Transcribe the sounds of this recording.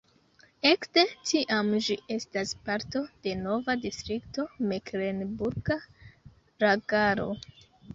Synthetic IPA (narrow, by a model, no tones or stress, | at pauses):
e̞kde̞tiʔamd͡ʒiʔe̞staspaɾto̞d̥e̞no̞vadistɾikto̞mekɾenbuɾɡa | ɾaɡaɾo̞̰